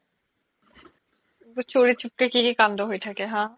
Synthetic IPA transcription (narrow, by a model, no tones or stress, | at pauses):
it̪ut͡ɕoɽit̪̚t͡ɕʰup̚kekikikand̪oɦojt̪ʰakeɦãː